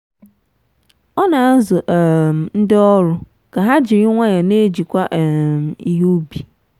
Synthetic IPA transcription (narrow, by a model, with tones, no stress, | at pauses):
ɔ˦nã˨˦zʊ˨ʔɛ˨n̩˦dɛ˦ɔ˦ɾʊ˨ | ka˨ɦa˦d͡ʑɪ˨ɾɪ˦ŋʷã˦jɛ˨nẽ˦e˦d͡ʑi˨kʷa˦ʔmi˨jo˦bi˨